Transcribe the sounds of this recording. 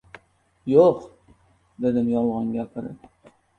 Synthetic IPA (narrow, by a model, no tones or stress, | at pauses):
joq | d̪ed̪ɪmjɒlˠʁɑŋɡʲakʰæɾɪ̰